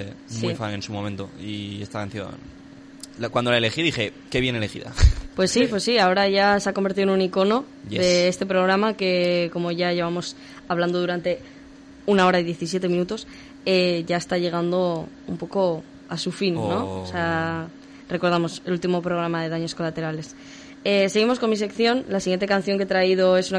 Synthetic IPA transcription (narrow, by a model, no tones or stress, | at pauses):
esmiuifaŋe̞nsumõmẽnt̪oiest̪akanθjo̰n | lakwand̪olaele̞xiðixe̞ | keβje̞ne̞le̞xḭða̰pwe̞sːipwe̞sːiao̞ɾaʝaseako̞mbeɾt̪iðenuniko̞no̞ | j̪eest̪e̞pɾo̞ɣ̞ɾamake̞ko̞moʝaʝe̞β̞amo̞s | aβland̪o̞ðuɾant̪e̞ | unao̞ɾaiðje̞θis̬je̞t̪e̞mĩnut̪o̞s | eʝae̞st̪aʝe̞ɣ̞and̪o | umpo̞ko̞ | asufinːõ̞sea | re̞ko̞ɾð̞amose̞lult̪imo̞pɾo̞ɣɾamaðe̞ðaɲo̞sko̞lat̪e̞ɾale̞s | ese̞ɣimoko̞nmis̬e̞kθjo̞nlasiɣjent̪e̞kan̟θjoŋke̞t̪ɾaið̞o̞e̞suna